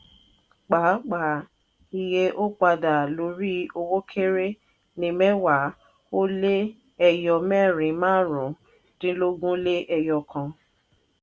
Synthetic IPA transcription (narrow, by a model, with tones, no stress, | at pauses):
k͡pa˨˦k͡pa˨˦˨ | i˧˨je˦ʔo˦k͡pa˧da˨lo˨˦ɾi˦o˧wo˦kʰe˦ɾe˦ | nĩ˨˧mɛ̃˦wa˨˦ | o˦le˦ | ɛ˧jɔ˧mɛ˦˨ɾĩ˨˦mãː˦ɾũ˨˦ | tĩ˦lo˦ɡũ˦le˦ʔɛ˧jɔ˧˨kʰã˧